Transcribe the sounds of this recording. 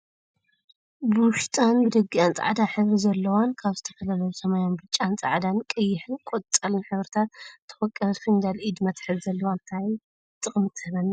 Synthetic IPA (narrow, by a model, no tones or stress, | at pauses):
buwʊʃt̪ʼanbɨd̪ɐɡiant͡sʼa̰ʕd̪aħɨβɾizɐlːɐwankʰaβzɨt̪ʰɐ̥fɐlalɐjusɐmajanbɨt͡ʃʼːant͡sʼaʕd̪ankʼɨjːɪħɨnkʼot͡sʼːɐlɨnħɨβɾɨt̪ʰat̪ʰːɨ̥fɔkʼːɐfɨnd̪alʔid̪mɐt̪ħɨzzɐlːɐwant̪ʰai | t̪ʼɨxʼmɨt̪ʰːɨhɨlan